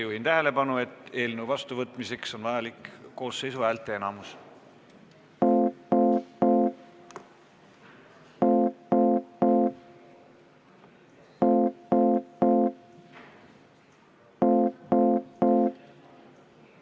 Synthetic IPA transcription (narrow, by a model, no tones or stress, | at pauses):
juhint̪æɦe̞le̞pɑnue̞t̪ːˑe̞ːlnuwvɑst̪uvɤt̪ːˑmise̞kso̞nvɑjɑlikːo̞ːsːe̞jsuæːlt̪ːˑeenɑmus